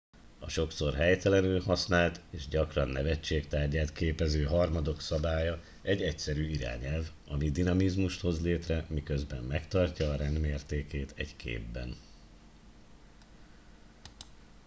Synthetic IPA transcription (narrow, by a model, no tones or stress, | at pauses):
ɒʃo̞kso̞rɦɛjt̪ɛlɛnylhɒsnaːlt̪eːʒɟɒkrɒnːɛvɛt͡ʃːeːkt̪aːrɟaːt̪keːpɛzøːɦɒrmɒd̪o̞ksɒbaːjɒ | ɛɟːɛcsɛɾyːiɾa̰ːɲɛlv | ɒmid̪inɒmizmuʃt̪ho̞zleːt̪rɛmikø̞zbɛmːɛkt̪ɒrcɒːɾɛnd̪meːrt̪eːkeːt̪ɛ̰ɟkʰḛːbːɛ̰n